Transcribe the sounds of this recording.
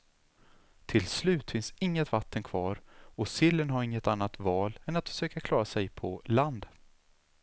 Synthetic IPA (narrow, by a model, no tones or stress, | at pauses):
t̪ʰɪlslʉ̟ːt̪fɪnsɪŋːət̪vat̪ʰːənkʰv̥ɑːɾɔsɪlːənɦaɾɪŋːət̪anːat̪vɑːlɛnat̪fœ̥ʂøːkakʰlɑːɾasɛjpʰɔland̪